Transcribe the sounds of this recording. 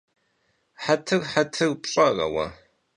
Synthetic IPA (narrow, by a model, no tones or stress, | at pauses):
ħatʰɨrħatʰɨrpɕʼɐrɐ̰wɐ̰